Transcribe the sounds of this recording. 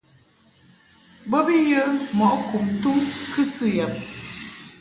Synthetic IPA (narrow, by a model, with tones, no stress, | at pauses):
bə˦bi˦jə˦mɔ˨ʔku˨mtu˦kɨ˦sɨ˦jə˨m̚